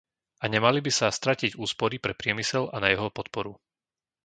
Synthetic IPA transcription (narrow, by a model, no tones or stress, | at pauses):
aɲɛmalibisast̪ɾaciɟuːspɔɾipɾɛpɾɪɛmisɛlanajɛɦɔpɔt̪̚pɔɾu